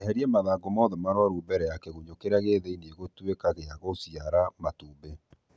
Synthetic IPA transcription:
hɛɾiɛmaðaːɡomɔðɛmaɾwaɾuːbɛɾɛjakɛɣuɲokeɾaɣeðeinieɣotwekaɣeaɣosiaɾamatuːbe

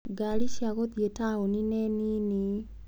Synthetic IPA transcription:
ɡaliʃiaɣoðjetaoninenini

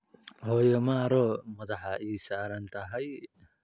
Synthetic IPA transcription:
hɔːjɐmaːɾɔːmɐðɑħɑʔiːsaːɾɐnt̪ʰɐɦɛj

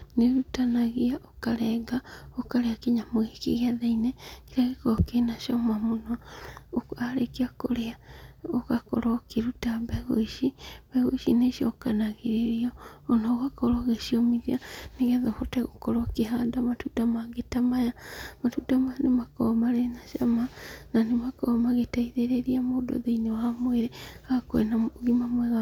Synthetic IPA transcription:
neɾutanaɣiaʔokaɾɛɡaokaɾeakeɲamoekḛɣeaðainɛkeɾaɣekɔkenaʃɔmamonɔoaɾekeakoɾeaokakɔ̰ɾɔkeɾutabɛɣoiʃiβ̥ɛɣoiʃineʃiɔ̰kanaɣeɾeɾiɔːnaoɣakɔɾɔɣeʃiɔmiðianeɣɛðɔhotɛɣokɔɾɔkeɦandamatudamaɡetamajamatudamajanemakɔmaɾenaʃamananemakɔmaɣetaiðeɾeɾiamodo̰ðeinewamweɾeaakwɛ̰naɣimamwɛɣa

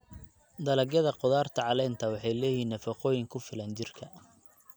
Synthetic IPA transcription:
d̪ɐlɐɡjɐðɐqɔðaːrt̪ʰɐʕɑlɛːnt̪ʰɐwɑħɑjlɛːjinːɐfɑqɔːjɪŋkʰʊfɪlɐnt͡ʃɪrkʰɐ

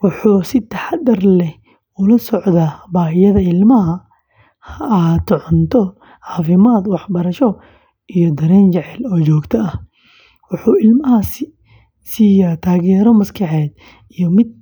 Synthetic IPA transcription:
wʊħuːsɪt̪ʰɐħɑd̪ɐrlɛ | ʊlɐsɔʕd̪aːbaːhɪjɐðɐɪlmɐɦɐ | hɐaːt̪ːɔʕɔnt̪ʰɔ | ʕɑːfɪmaːd̪wɑħbɐɾɐʃɔ | ʔijɔd̪ɐɾɛːnt͡ʃɪʕɛlɔːt͡ʃɔːɡt̪ʰɐɐh | wʊħuːɪlmɐhɐs | siːjaːt̪ʰaːɣɛːɾɔmɐskʰɑħɛːd̪ | ijɔmɪd̪̚

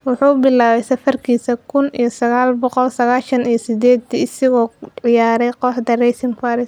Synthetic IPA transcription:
wʊħuːʊbɪlaːβɛjsɐfɐrkʰiːsɐkʰʊnḭjɞsɐɣaːlbɔqɔlsɐɣaːʃɐnijɞsɪd̪ɛːd̪ɪsɪɣɔːʕɪjaːɾɛjqɔħd̪ɐrɛjsɪmfaːɾɪs

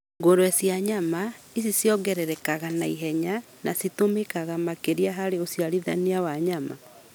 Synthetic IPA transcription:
ŋɡoɾwɛsjaɲama | is̬isjɔɣɛɾɛɾɛkaɣanaiɦɛɲa | nasitomekaɣamakeɾiaɦaɾeosiaɾiða̰niawaɲama̰

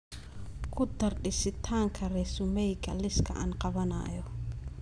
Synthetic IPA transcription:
kʰʊd̪ɐrɖɪsɪt̪ʰaːŋkʰɐɾɛsʊmɛjkʰɐlɪskʰɐ̰ʔa̰ːnqɑβɐna̰ːjɔ

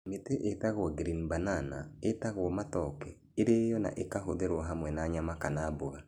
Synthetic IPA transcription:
meteʔetaɣwɔɡɾinbanana̰etaɣwɔmatɔkɛ | eɾejɔna̰ʔekaɦoðeɾwɔɦamwɛnaːɲamakanaboɣa

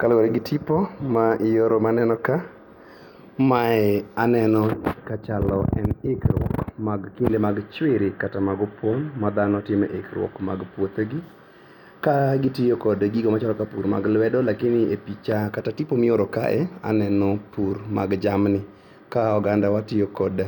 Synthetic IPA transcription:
kalweɾeɡɪtʰipomaʔɪjoɾomanɛnɔka | maɛanɛnɔkat͡ʃalɔ̰ɛ̰nekɾwɔ̰kmaɡkindemaɡt͡ʃwɪɾɪkatamaɡɔpwonmad̪anɔtɪmɛʔḛkɾwɔ̰kmaɡpwot̪oɡi | kaɡɪtɪjokɔdɡiɡomat͡ʃalɔkapuɾma̰ɡlwɛdɔlakɪnɪepit͡ʃakatatipomɪoɾɔka̰ʔɛa̰nɛnɔpuɾma̰ɡd͡ʒamnɪ | kaɔɡandawatɪjokɔda

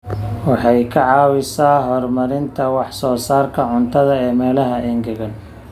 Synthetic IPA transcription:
wɑħɑjkʰɐʕɑːwɪsaːɦɔrmɐɾɪnt̪ʰɐwɑħsɔːsaːrkʰɐʕʊnt̪ʰɐðɐɛːmɛːlɐɦɐɛŋɡɐɣɐn

